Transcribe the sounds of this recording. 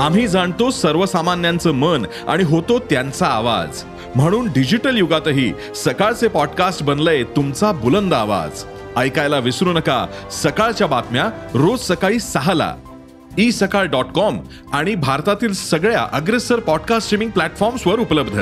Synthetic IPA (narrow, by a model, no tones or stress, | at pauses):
am̤iːd͡zʱaɳt̪osəɾʋəsamanjant͡səːmən | a̰ɽ̃iɦot̪ot̪jant͡saːʋa̰d͡z | m̤əɽ̃uːnɖid͡ʑiʈəljuɡat̪əɦḭː | səkaɭt͡sepɔɖkasʈbənlet̪umt͡sabulənd̪aʋa̰d͡z | əjkajlaʋisɾunəka̰səkaɭt͡ɕjabat̪mjaɾod͡zsəkaɭiːsaɦala̰ | iːsəkaɭɖɔʈkɔm | aɽ̃ibʱaɾt̪at̪iːlsəɡɭja̰ʔəɡɾesəɾpɔɖkasʈɾimĩŋɡ̚plæʈfɔɾmsʋəɾupləbd̪ʱə̰